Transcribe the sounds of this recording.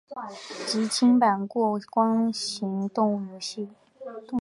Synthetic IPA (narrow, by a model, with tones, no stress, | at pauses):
t͡ɕi˧˥t͡ɕʰi˥ŋpa˨˩nkwɔ˥˩kwɑ˥ŋɕi˧˥ŋt̪ʊ˥˩ŋy˨˩ɕi˥˩˧